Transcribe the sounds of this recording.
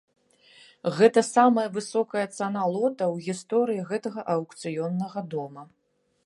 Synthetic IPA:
ɣɛt̪ɐsamɐjɐvɨsɔkɐjɐt̪sanalˠɔt̪ɐwɣʲist̪ɔɾɨjiɣɛt̪ɐɣɐʔɐwkt̪sɨjɔnːɐɣɐd̪ɔmɐ

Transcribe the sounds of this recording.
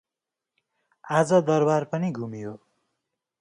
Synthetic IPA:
ad͡zʌd̪ʌrbarpʌniɡʱumiɦo

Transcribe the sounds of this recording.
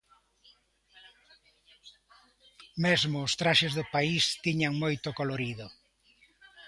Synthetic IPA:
mezmʊːst̪ɾaʃezðʊpaist̪iɲaŋmojt̪ʊkoloɾiðʊ

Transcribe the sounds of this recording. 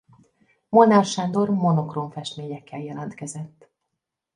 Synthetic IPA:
monɛrʃand̪o̞rmo̞no̞kroɱfɛʃt̪meːɲɛkːɛljɛlɒnt̪kɛzɛt̪ː

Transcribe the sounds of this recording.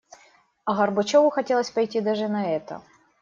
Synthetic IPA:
ɐɣɐrbɐt͡ɕovʊxɐtʲe̞lˠəsʲpɐjtʲid̪aʐɨnɐɛt̪ə̰

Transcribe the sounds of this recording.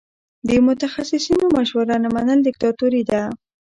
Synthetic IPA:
d̪əmʊt̪axasɪsinomaʃwəɾanamanəld̪ɪk̚t̪ɑt̪uɾid̪a

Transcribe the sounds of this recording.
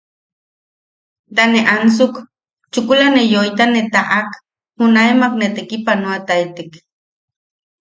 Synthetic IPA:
t̪aneʔansuk | t͡ʃukulanejoit̪anet̪aʔak | hunaemaknet̪ekipanoat̪ait̪ek

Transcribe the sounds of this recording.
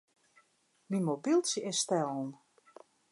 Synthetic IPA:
mimobilˠsəɛstɛlˠn̩

